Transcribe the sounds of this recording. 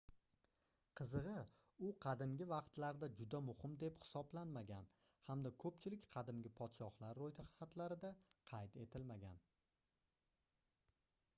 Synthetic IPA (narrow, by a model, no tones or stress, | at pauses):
qʰɨzɨʁɨ | ʊqʰɑd̪ɪmɡʲɪvɑqt̪laɾd̪ad͡ʒʊd̪amʊhɪmd̪e̞phɪ̥sɒblanmaɡʲan | hamd̪akʰɵpt͡ʃʰɪlɪkʲqʰɑd̪ɪmɡʲɪpʰɒt̪ʃɒhlˠaɾːojt̪ʰɪhat̪laɾɪd̪aqʰɑjt̪e̞t̪ʰɪlmaɡʲa̰n